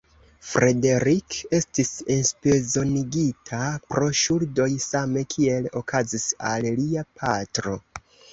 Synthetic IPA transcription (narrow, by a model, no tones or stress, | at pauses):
fɾe̞de̞ɾike̞stisenspezo̞niɡitʰapɾo̞ʃuɾdo̞jsame̞kʰie̞lo̞kazisalliapʰatɾo̞